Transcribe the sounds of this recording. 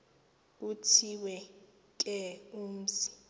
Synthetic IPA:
utʰiwɛ | kʼɛum̩zi̥

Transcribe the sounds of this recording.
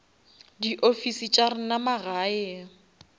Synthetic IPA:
diʔofisit͡ʃʼarɪnamaɣaːɛ

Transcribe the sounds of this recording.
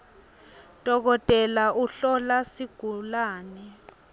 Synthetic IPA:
d̥ʱɔk̬ɔtʼɛlauɬɔlasiɡ̥ʱulaːnɛ

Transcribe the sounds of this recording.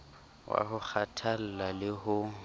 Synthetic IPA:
wʔa̰hʊk͡xʰatʰal̩lalɪhʊ

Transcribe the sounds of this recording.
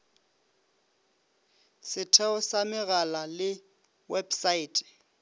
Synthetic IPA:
sɪtʰɛɔsamɪɣalalɪ | wɛbsaiːtʼɛ̥

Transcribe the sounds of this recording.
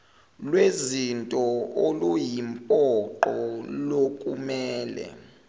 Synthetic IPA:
lwezintʼɔolujimpʼɔǃɔlokʼumɛːlɛ̰

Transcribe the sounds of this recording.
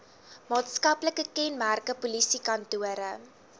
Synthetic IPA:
mɑːtskɐpləkəkɛnmærkəpulisikɐntuəɾə

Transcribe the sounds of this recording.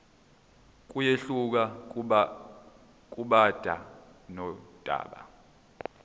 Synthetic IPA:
k̬ʼujeɬuk̬a | kʼuɓad̥ʱa̰ | nɔd̥ʱa̰ːɓa̰

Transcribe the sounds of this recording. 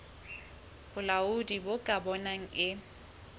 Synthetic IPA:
b̥ʊlaʊdibokʼabɔnaŋ̩ʔɪ

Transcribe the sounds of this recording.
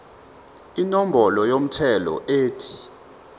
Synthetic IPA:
inom̩bɔlɔjom̩tʰɛlɔ̰ʔeːtʰi

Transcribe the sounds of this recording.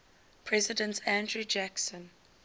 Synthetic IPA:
pʰɹɛzɪdə̃ntʰæ̃ndɹud͡ʒæksə̃n

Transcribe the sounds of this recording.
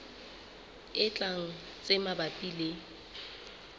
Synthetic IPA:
ɪt͡ɬʼaŋ̩ | t͡sʼɪmabapʼile

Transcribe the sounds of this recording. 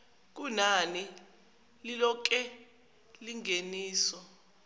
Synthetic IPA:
k̬unani | lilɔk̬ɛ | liŋeniːsɔ

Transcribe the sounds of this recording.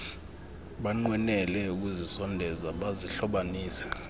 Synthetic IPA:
ɓaŋ͡ǃwɛnɛlɛuk̬uzisɔndʱɛzaɓaziɬɔɓaniːsɛ̥

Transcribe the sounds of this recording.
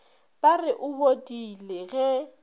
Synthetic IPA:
b̥ʼarɪʔʊbodʼileɣɛ

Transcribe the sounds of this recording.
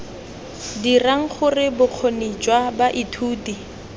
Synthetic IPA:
diraŋ̩χʊrɪbʊq͡χʰonid͡ʒwabaʔitʰuːti

